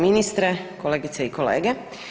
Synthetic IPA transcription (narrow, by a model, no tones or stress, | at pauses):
minist̪ɾekoleːɡit̪seiko̞lḛːɡe